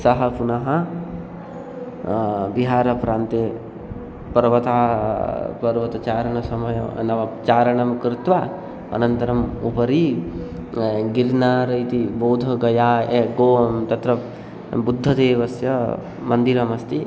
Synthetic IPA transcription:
sɐɦɐpunɐɦɐ | biɦaːɾɐpɾaːnt̪e | pɐɾʋɐt̪aː | pɐɾʋɐt̪ɐt͡ʃaːɾɐɳɐsɐmɐjɐnɐʋɐt͡ʃaːɾɐɳɐmkɾɪt̪ʋaː | ɐ̰nɐnt̪ɐɾɐmupɐɾi | ɡiɾnaːɾɐjt̪iboːwd̪ʱɐɡɐjaːeɡoːɐmt̪ɐt̪ɾɐ | bud̪ʱːɐd̪eːʋɐsjɐ | mɐnd̪iɾɐmɐst̪i

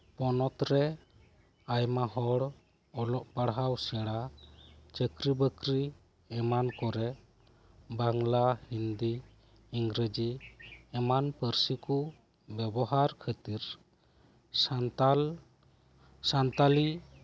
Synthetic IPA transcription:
pɔnɔt̪ɾɛ | ajmaɦɔɽ | ɔlɔʔpaɽɦawsɛɽa | t͡ʃəkɾibəkɾi | ɛmankɔɾɛ | baŋlahind̪iː | ŋɡɾəd͡ʒiɛmanpəɾsiku | bɛbɔɦaɾkʰət̪iɾ | sant̪ali

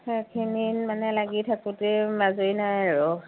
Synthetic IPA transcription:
kʰinimanɛlaɡitʰakutɛmazojnajaɹɔ

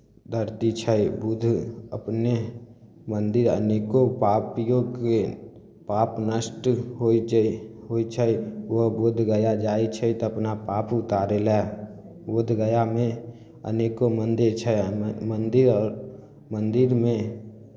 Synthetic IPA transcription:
d̪əɾt̪it͡ʃʰəibʊd̪ʱə̰pne | mə̃nd̪ɪɾə̰neːkopaːpijõke | paːpnəsʈɦoit͡ʃɦoit͡ʃʰəiʋobʊd̪ʱɡəjad͡ʒaːit͡ʃʰət̪oɐpnapaːpʊt̪aːɾelɛ | bʊd̪ʱɡəjamẽ | ə̰neːkomə̃nd̪et͡ʃʰəmə̃nd̪ɪɾɔːɾ | mə̃nd̪ɪɾmẽ

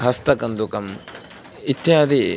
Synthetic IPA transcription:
ɦɐst̪ɐkɐnd̪ukɐm | it̪jãd̪i

